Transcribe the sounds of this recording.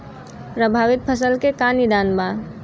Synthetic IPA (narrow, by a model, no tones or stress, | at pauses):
pɾəbʱaːʋɪt̪̚pʰəsəlkekanid̪aːnba